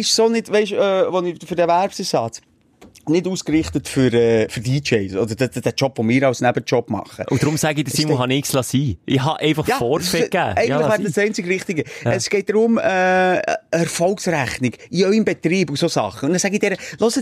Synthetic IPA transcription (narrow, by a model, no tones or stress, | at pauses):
ɪʃsonɪdʋɛɪʃɛːʋɔnɪfɨɾdɛvæɾpsəsɑːt͡s | nɪduːskɾɪχt̪ətfʏɾɛːfʏɾdiːt͡ʃɛɪsɔd̪əɾdd̥æt͡ʃɔpvomɪːɾɑʊsnæbət͡ʃɔpmɑ̰χə̰ʔʊd̥ɾʊmsæɡid̪əsimlhɑnɪkslɑsiːʔɪhɑʔɛɪfɑχjɑfɔːɾfɛkæːɛɡntlɪχʋæ̥ːəssɛɪnt͡sɪɡɾɪχt̪ɪɡəəsɡ̥ɛɪt̚d̥̪ɾʊmɛ | ɛɾfɔlksræχnɪɡ̥iœʏəmbɛt̪ɾiːbʊsosɑ̰χːəʊnnɛsæɡidɛɾəlɔsə